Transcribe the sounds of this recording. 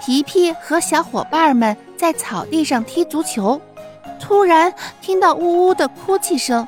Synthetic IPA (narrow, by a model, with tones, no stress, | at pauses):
t̪ʰi˧˥pʰi˥˩xɤ˧˥ɕjɑ˧˥ʊxwɔ̰˨˩pa˥mə˨n | t͡sa˥˩ɪt͡sʰɑ˨˩ʊt̪i˥˧ʂɑ˥˩ŋt̪ʰi˥t͡su˧˥t͡ɕʰjo˧˥ʊt̪ʰu˥ɻa˧˥nt̪ʰi˥ŋt̪ɑ˥˧ʊu˥˧u˥d̪ə˨kʰu˥t͡ɕʰi˥˩˧ʂɤ˥ŋ